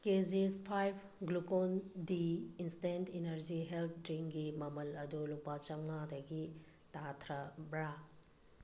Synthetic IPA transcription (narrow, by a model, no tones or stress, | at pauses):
kezispʰajbʰ | ɡlukondiinstentʰinɐɾziɦelpʰdɾiŋɡimɐmɐlɐdulupat͡ʃɐmnadɐɡi | tatʰɾɐbɾa